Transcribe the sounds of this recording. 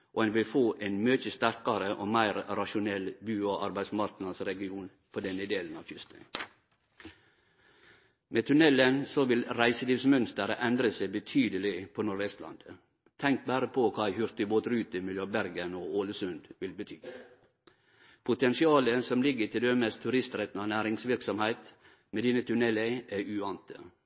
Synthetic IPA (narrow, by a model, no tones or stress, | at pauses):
ʔoɛnʋɪlfoːʔenmøːt͡ʃəst̪æɾkɑɾəʔoːmæɪɾɾɑʃʊnɛlbʉːoʔɑ̰ɾbæɪsmɑɾknɑsɾɛɡɪuːn | pʰɔd̪ɛnəd̪eːlənɑʋfʏst̪ə̰ | mʔeːt̪ʰʉnɛlːənsɔʋɪlɾæɪsəliːʋsmœnst̪əɾʔɛnd̪ɾəsæbət̪ʰyːd̪əlɪpʰɔnʊɾʋɛst̪lɑ̰nd̪̥ə | t̪ʰɛŋk̚bæːɾəpʰɔkʰɑːɪhʏɾt̪ɪboːt̪ɾʉːt̪əmɪløːbæɾɡənoːoːləsʉnd̪ʋɪlbət̪ʰyː | pʰʊt̪ʰɛnsɪɑːləsɔmlɪɡːət̪ɪld̪ømɛst̪ʰʉɾɪst̪ɾɛt̪n̩ɑnæːɾɪŋsʋɪɾksɔmhæɪt̪ | meːd̪iːnət̪ʰʉnɛləæʔʉɑnt̪ə